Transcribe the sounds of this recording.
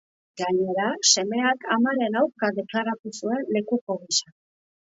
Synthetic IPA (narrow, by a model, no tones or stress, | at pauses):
ɡaɲe̞ɾase̞me̞akamaɾe̞nawɾkaðe̞klaɾat̪usue̞nle̞kuko̞ɣisa